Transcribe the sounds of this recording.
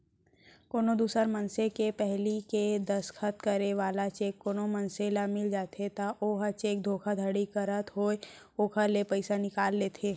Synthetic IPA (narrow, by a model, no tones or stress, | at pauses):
koːnod̪uːsəɾmənsekepɛɦliked̪əskʰət̪kəɾeʋaːlat͡ʃeːkːoːnomənseːlamɪld͡ʒaːt̪ʰet̪aʔoːɦət͡ʃeːk̚d̪ʱoːkʰad̪ʱəɽikəɾət̪ɦoːe | oːkʰalepəɪsanɪkaːlːeːt̪ʰeː